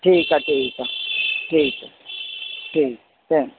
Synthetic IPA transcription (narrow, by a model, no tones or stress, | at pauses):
tʰiːkʼatʰʼiːkatʰiːkʼa | tʰiːkatɛŋ